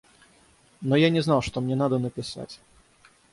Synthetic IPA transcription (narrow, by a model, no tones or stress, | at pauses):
nɔjanʲɛznawʂt̪ɔmnʲɛnad̪ɐnɐpʲɪsa̰t͡sʲ